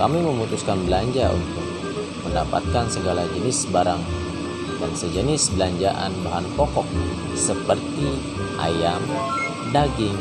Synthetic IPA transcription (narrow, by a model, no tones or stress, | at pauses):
kamiməmut̪uskanbəlaɲd͡ʒaṵnt̪ʊk̚ | məndapa̰t̪̚kansəɡalad͡ʒənɪsbaɾaŋ | dansəd͡ʒənɪsbəlaɲd͡ʒaʔa̰nbaɦanpɔkɔk̚ | səpərt̪i | ʔa̰jam | daɡɪŋ